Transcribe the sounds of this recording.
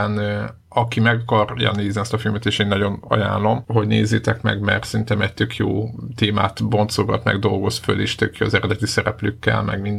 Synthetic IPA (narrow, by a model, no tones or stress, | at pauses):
n | ɒkimɛɡɒkɒrjɒ̰neːzniɛst̪ɒfilmɛt̪eːʃeːnːɒɟo̞nɒ̰ja̰ːllo̞mɦo̞ɟnḛːzːeːt̪ɛkmɛ̰ɡmɛrt̪sɛrint̪ɛmɛc̚t̪ø̞kjoːt̪eːma̰ːt̪bo̞nt̪soɡɒt̪mɛ̰ɡd̪o̞lɡo̞sføleːʃt̪økjoːɒzɛɾɛd̪ɛt̪isɛɾɛpløːkːɛ̰lmɛ̰ɡmind̪